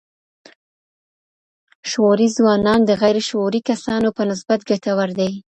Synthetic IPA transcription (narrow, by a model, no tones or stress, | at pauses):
ʃoɾizwɑnɑnd̪əɣajɾeʃoɾikasɑnopənɪsbat̪̚ɡat̪awaɾd̪aj